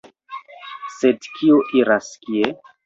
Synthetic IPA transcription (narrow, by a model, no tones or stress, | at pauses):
sedkʰioʔiɾaskie